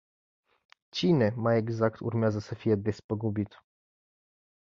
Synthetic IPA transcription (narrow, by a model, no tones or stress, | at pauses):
t͡ɕinɛmaɛɡzakt̪ṵɾmʲjazasɛfʲijɛd̪vʲɛspɔɡubʲit̪